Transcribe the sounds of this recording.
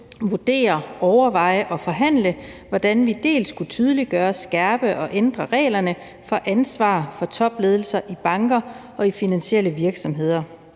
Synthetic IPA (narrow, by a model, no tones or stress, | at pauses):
ʋud̥e̝̰ːɐɒʊɐʋɑ̈ɪ̰əʔɒ̽fɒ̽ɦæn̰ləʋɒd̥ænʋid̥e̝̰ːlskʰut͡sʰyːð̞ˠliɡ̥ɶːɐsɡ̥æɐb̥əʔɒ̽ʔend̥ʁɐʁɛ̰ːlɐnə | fɒ̽ʔænsʋɑ̰̈ːfɒ̽t͡sʰɒ̽b̥le̝ːð̞ˠl̩sɐʔib̥ɑ̈ŋɡ̥ɐʔɒ̽ifinænɕel̰əʋiɐɡ̥sɒ̽mɦe̝ð̞̰ˠɐ